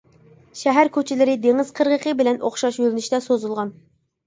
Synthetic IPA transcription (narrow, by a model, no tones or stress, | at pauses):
ʃɛɦæɾkʲʰøt͡ʃʰɪlɪɾɪd̪eŋɪz̥qʰəɾʁəqʰəbɪlɛnʔoχʃɑʃjølnɪʃt̪ɛsozulˠʁɑn